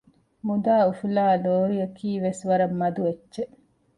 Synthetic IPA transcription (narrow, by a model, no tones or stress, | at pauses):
mud̪aːufulaːloːɾijɐkiːʋesʋɐɾɐmːɐd̪uʋeːʃe